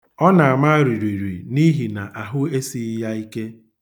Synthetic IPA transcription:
ɔ˦na˨a˨ma˦ɾi˨ɾi˨ɾḭ˨ni˦ɦi˨na˨ʔa˨ɦʊ˦e˦si˦ja˦i˦ke˦

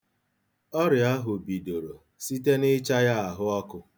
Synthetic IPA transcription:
ɔ˦ɾɪ˨a˦ɦʊ˨bi˨do˨ɾo˨ | si˦te˦nɪ˦t͡ʃa˦ja˦a˨ɦʊ˦ɔ˦kʊ˨

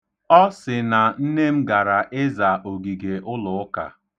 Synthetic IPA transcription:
ɔ˦sɪ˨na˨n̩˦ne˦m̩˦ɡa˨ɾa˨ʔe˦za˨ʔo˨ɡi˨ɡe˨ʔʊ˦lʊ˨ʊ˦ka̰˨

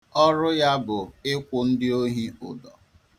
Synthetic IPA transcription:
ɔ˦ɾʊ˦ja˦bʊ˨ɪ˦kʷʊ˨n̩˦dɪ˦o˦ɦi˦ʊ̰˨dɔ˨

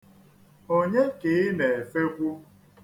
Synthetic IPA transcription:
o˦ɲe˦ke˨ɪ˦ne˨e˨fe˦kʷʊ˦

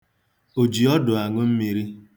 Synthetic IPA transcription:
o˨d͡ʒi˨ɔ˦dʊ˨a˨ŋʊ˦m̩˦mi˨ɾi˦

